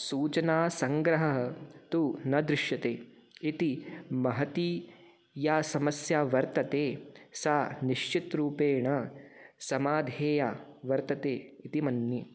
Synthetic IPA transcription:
suːt͡ʃɐnaːsɐŋɡɾɐɦɐɦɐt̪unɐd̪ɾɪʃjɐt̪eː | it̪imɐɦɐt̪i | jaːsɐmɐsjaːʋɐɾt̪ɐt̪eːsaːniʃt͡ʃit̪ɾuːpeːɳɐsɐmaːd̪ʱeːjaːʋɐɾt̪ɐt̪eːit̪imɐnːi

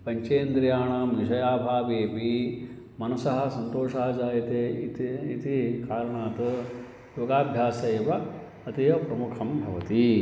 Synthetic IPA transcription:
pɐɲt͡ʃeːnd̪ɾjaːɳɐmɾid͡ʒɐjaːbʱaːʋeːpi | mɐnɐsɐɦɐ̆sɐnt̪oːʂaːɦɐd͡ʒaːjɐt̪eːit̪it̪ikaːɾɐɳaːt̪ɐ | joːɡaːbʱjaːsɐjʋɐ | ɐt̪ijɐpɾɐmukʰɐmbʱɐʋɐt̪i

